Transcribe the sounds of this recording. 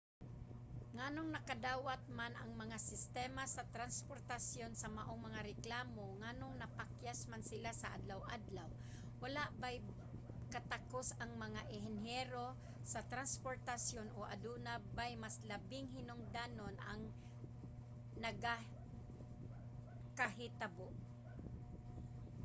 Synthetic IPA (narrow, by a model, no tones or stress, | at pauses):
ŋanoŋnɐkad̪aːwat̪̚manɐŋmɐŋasɪst̪ɛːmasɐt̪ɾanspoɾt̪asjonsɐmaʔoŋmɐŋaɾɛklaːmoŋanoŋnɐpakjasmansɪlasɐʔa̰d̪lawʔa̰d̪law | walaʔbaj | kat̪akosɐŋmɐŋaʔɪɦɛnɦɛɾo | sat̪ɾanspoɾt̪asjonʔoʔa̰d̪unabajmaslabɪŋɦɪnoŋd̪aːnonʔa̰ŋ | nɐɡa | kaɦɪt̪aboʔ